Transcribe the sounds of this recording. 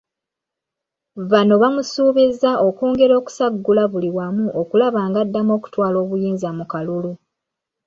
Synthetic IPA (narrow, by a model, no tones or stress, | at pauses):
βano̞βamusuːβizːaʔo̞kuːŋɡe̞ɾo̞ːku̥saɡːulaβuliwamuʔokulaβaːŋɡadːamo̞ːku̥twaːlo̞ːβujiːnzamukalulu